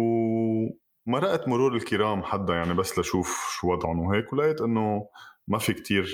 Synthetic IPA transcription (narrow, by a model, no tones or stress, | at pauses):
w | maɾˤɑʔt̪mʊɾuːɾɪlkɪɾaːmħad̪ːajaʕnibasːlaʃuːfʃuwɑd̪ˤʕʊnwɦeːkwlaʔeːt̪ʔɪnːomafik̚t̪ʰiːɾ